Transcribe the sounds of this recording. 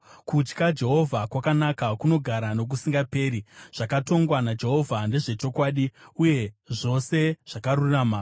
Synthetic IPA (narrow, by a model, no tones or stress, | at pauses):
kut͡ʃkad͡ʒe̞ɦo̞vʱakwakanakakuno̞ɡʱaɾano̞k̬usiŋɡape̞ːɾiʐ̥akato̞ŋɡwanad͡ʒe̞ɦo̞vʱande̞ʐe̞t͡ʃo̞kwaːɗiuje̞ʐo̞se̞ʐ̥akaɾuraːma